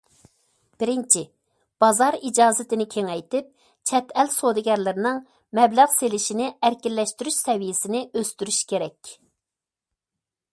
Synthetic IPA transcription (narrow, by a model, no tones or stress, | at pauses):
b̥ɪɾɪnt͡ʃʰi | b̥ɑzɑɾid͡ʒɑːzɪt̪ɪnɪkʲʰeŋɛjt̪ɪp̚ | t͡ʃʰɛt̪ɛlsod̪ɪɡʲɛɾlɪɾɪnɪŋ | mɛblæʁselɪʃinɪæɾkʲilːɛʃt̪yɾyʃsɛvijɪsɪnɪʔøst̪yɾyʃkʲʰeɾɛkʲ